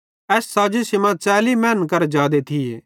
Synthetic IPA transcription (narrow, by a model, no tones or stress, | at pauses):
ɛːsːaːd͡ʒisɪmãt͡ʃaːlimɛːnkɐɾd͡ʒaːd̪et̪ʰi